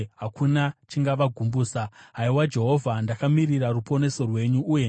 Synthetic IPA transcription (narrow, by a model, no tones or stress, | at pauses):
ɦakʰunat͡ʃiŋɡaʋaɡʱumbuːsaɦaiwad͡ʒe̞ɦo̞vʱandakamirirarupo̞ne̞so̞rwe̞ɲuʔːje